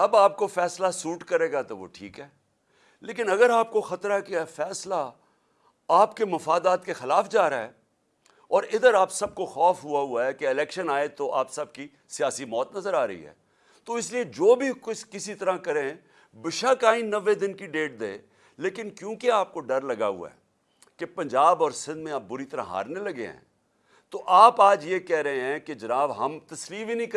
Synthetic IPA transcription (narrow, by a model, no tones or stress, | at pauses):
ɐbaːp̚kofɛːslasuːʈkɐɾeːɡat̪oʋo̰ʈʰḭːkɦɛː | leːkɪnɐɡəɾaːp̚koxɐt̪ɾaɦɛkeɛfɛːsla | aːpkemɐfaːd̪aːt̪kexɪlaːfd͡ʒaːɾaɦɛː | ɔːɾɪd̪əɾaːpsɐb̚koxɔːfɦʊaɦʊaɦɛkeɪlɛːkʃənaːet̪oʔa̰ːpsɐb̚ki | sijaːsimɔːt̪nɐzəɾaːɾɐ̰ɦḭɦɛ̰ː | t̪oɪslied͡ʒoːbʱikʊskɪsit̪ɐɾãkɐɾẽ | bɪʃaːkaːɪ̃nːɐʋːed̪ɪnkiɖeːʈ̚d̪ḛ̃ː | leːkɪnkjõːkeaːp̚koɖɐɾlɐɡaɦʊ̰a̰ɛː | kepɐ̃ɲd͡ʒaːbɔːɾsɪ̃nd̪mẽaːp̚bʊɾit̪ɐɾã̰ɦa̰ːɾnelɐɡḛɦɛ̰̃ː | t̪oʔaːpaːd͡ʒjeːkɛɦɾɐɦẽɦɛ̃ked͡ʒɐnaːbɦɐmt̪ɐsliːinĩk